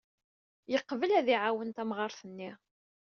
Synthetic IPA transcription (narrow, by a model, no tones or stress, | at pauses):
jəqːvəlæðiʕawənt̪æmʁɑɾˤθənːi